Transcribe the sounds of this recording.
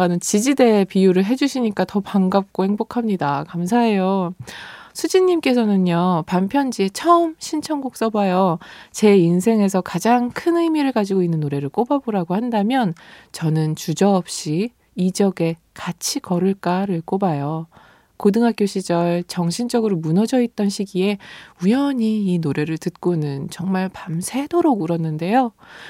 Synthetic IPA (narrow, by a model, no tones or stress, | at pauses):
anɯnt͡ɕid͡ʑide̞pijuɾɯɭɦe̞d͡ʑuɕʰiɲik͈atʌpaŋɡap̚k͈ohe̞ŋbokʰamɲidakams̬ʰaɦe̞jo | sʰud͡ʑiɲːimk͈e̞sʰʌnɯnɲʌpampʰjʌnd͡ʑie̞t͡ɕʰʌɯmɕʰint͡ɕʰʌŋɡuk̚s͈ʌbajot͡ɕe̞insʰe̞ŋe̞s̬ʰʌkad͡ʑaŋkʰɯnɯimiɾɯɭkad͡ʑiɡoinːɯnːoɾe̞ɾɯɭk͈obaboɾaɡohandamjʌnt͡ɕʌnɯnt͡ɕud͡ʑʌʌp̚ɕ͈i | id͡ʑʌɡe̞ | kat͡ɕʰikʌɾɯɭk͈aɾɯɭk͈obajʌ | kodɯŋɦak͈joɕʰid͡ʑʌɭt͡ɕʌŋɕʰind͡ʑʌɡɯɾomunʌd͡ʑʌit̚t͈ʌnɕʰiɡie̞ujʌɲiːnoɾe̞ɾɯɭtɯt̚k͈onɯnt͡ɕʌŋmaɭpamsʰe̞doɾoɡɯɾʌnːɯnde̞jo